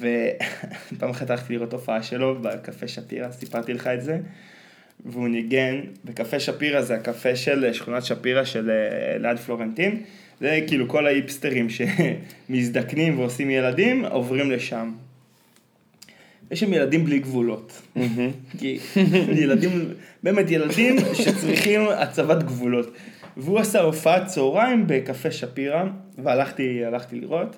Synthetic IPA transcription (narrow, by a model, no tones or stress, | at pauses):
ve̞ | paːmχad̪aaχt̪iliʁo̞t̪ːo̞faaʃe̞lo̞bakafeʃapḭʁasipaʁt̪ileχaetze̞ | veuniɡe̞nbekafeʃapiʁazeakafeʃe̞lʃχunatʃapiʁaʃe̞leladflo̞ʁent̪in | zekiːluko̞laipst̪eʁimʃe̞misd̪aknimveosimje̞ladimo̞̰vʁimle̞ʃam | jeʃamje̞ladimbliɡvulo̞t | kijeladimbe̞ːmetje̞ladimʃet͡sʁiχima̰t͡savatɡvulo̞tveuasaofaatt͡sooʁaimbekafeʃapiʁa | vealaχtialaχt̪ilḭʁo̞t